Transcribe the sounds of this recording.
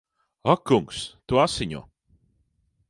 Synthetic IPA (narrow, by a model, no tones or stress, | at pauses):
akːuŋkst̪uasiɲɔ̰